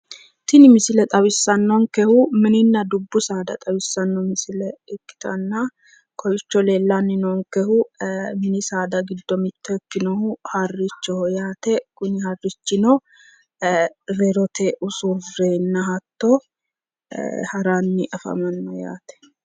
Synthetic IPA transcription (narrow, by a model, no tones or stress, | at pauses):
t̪ɪnɪmɪsɪlɛt̪ʼɐβɪsːɐnːɔŋkɛhʊmɪnɪnːɐd̪ʊbːʊsaːd̪ɐ̰t̪ʼɐbɪsːɐnːɔmɪsɪlɛɛkːɪ̥t̪ɐnːa | kʰɔjɪt͡ʃːɔleːlːanːɪnɔŋkɛhʊmɪnɪsaːd̪ɐɡɪd̪ːɔmɪt̪ːɛkːɪnɔhʊhɐrːɪt͡ʃːɔhɔjaːt̪ɛkʊnɪhɐrːɪt͡ʃːɪnɔ | ɾɛɾɔt̪ʰeʔʊsuveːnːɐɦɐt̪ːɔ̰ | hɐɾanːɪʔɐfɐ̰mɐnːɐja̰ːt̪ɛ̥